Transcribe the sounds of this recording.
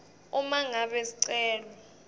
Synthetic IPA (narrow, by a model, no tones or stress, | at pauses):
umaŋaɓɛsiǀɛːlɔ